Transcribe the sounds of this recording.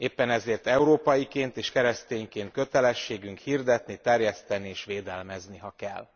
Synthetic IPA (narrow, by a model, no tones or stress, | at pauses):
eːpːɛnɛzeːrt̪ɛuɾoːpɒjikeːnt̪eːʃkɛɾɛst̪eːɲkeːnt̪̚kø̞t̪ɛlɛʃːeːɡyŋkhird̪ɛt̪nit̪ɛrjɛst̪ɛnieːʃʋeːd̪ɛlmɛzniɦɒkɛ̰lː